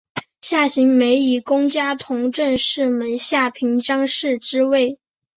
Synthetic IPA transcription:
ɕja˥˩ɕi˧˥ŋme˧˥ɪi˨˩kʊ˥ŋt͡ɕja˥t̪ʰʊ˧˥ŋʈ͡ʂə˥˧nʂɻ̩˥˩mə˧˥nɕja˥˩pʰi˧˥ŋʈ͡ʂɑ˥ŋʂɻ̩˥˩ʈ͡ʂɻ̩˥we˥˩ɪ

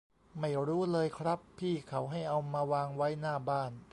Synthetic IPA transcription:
ma˥˩jɾuː˦˥lɤː˧jkʰɾa˦˥pʰːiː˥˩kʰa˩˦wɦa˥˩jʔa˧wmaː˧waː˧ŋwa˦˥jnaː˥˩baː˥˩n

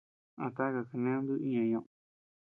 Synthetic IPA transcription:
a˧t̪a˦ka˧ka˧nẽ˦nd̪ɨ˦i˦ɲã˧˨ɲõ˧ʔ

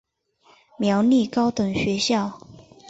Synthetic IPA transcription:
mjɑ˧˥ʊni˥˩kɑ˥ʊt̪ɤ˨˩ŋɕɥɛ˧˥ɕjɑ˥˩ʊ

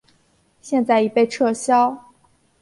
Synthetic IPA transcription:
ɕjɛ˥˧nt͡sa˥˩ɪi˧˥pe˥˧ɪʈ͡ʂʰɤ˥˩ɕjɑ˥ʊ

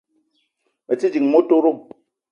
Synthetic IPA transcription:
ə˨t͡si˦d͡ʒi˨ŋmo˦to˦ɾo˦˨

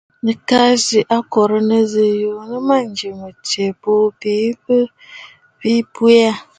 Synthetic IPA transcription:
nɨ˨ka˦zi˨ʔa˦kɔ˨ɾə˦nə˦zɨ˨jo˨nə˦ma˦n˨˦d͡ʒi˨mə˨te˨bo˦bi˨˦bə˦ | bi˦pu˦a˦

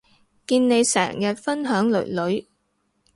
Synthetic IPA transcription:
kiː˧nne˨˧jsɛ̰ː˨˩ŋjɐ˨t̚fɐ˥nɦœː˨˥ŋlɵ̰˨˩ɥlɵ˨˥ɥ

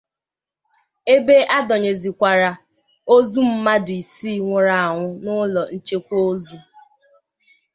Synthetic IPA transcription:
e˦be˦ʔa˦dɔ˨ɲe˨zi˨kʷa˨ɾa˨ | o˦zu˦m̩˦ma˦dʊ˨i˨siː˦˨ŋʷʊ˨ɾa˨a˨ŋʷʊ˦nʊ˦lɔ˨n̩˦t͡ʃe˦kʷo˦zu˦

